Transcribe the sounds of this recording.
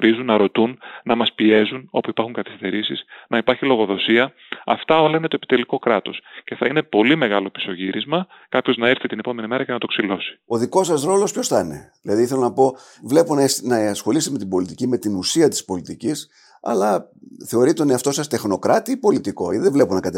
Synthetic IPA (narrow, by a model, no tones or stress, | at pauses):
ɾizunːɐɾo̞t̪unːɐmɐspie̞zuno̞puipɐɾxuŋkɐθi̥st̪e̞ɾisisnɐipɐɾçilo̞ɣo̞ðo̞siɐ | ɐft̪ɐo̞lɐine̞t̪oepi̥t̪e̞liko̞kɾɐt̪o̞sce̞θɐine̞po̞limeɣɐlo̞pi̥so̞ʝiɾizmɐ | kɐpço̞znɐeɾθit̪inepo̞me̞nime̞ɾɐcenɐt̪o̞ksilo̞si̥o̞ðiko̞sɐsɾo̞lo̞spço̞sθɐne̞̰ðilɐðiθelonɐpo̞ | vle̞ponsnɐsxo̞list̪eme̞t̪ibo̞lit̪icime̞t̪inusiɐt̪i̥spo̞lit̪icis | ɐ̰lɐθe̞o̞ɾit̪oneɐft̪o̞sɐst̪e̞xno̞kɾɐt̪iipo̞lit̪iko̞iðevleponɐkɐt̪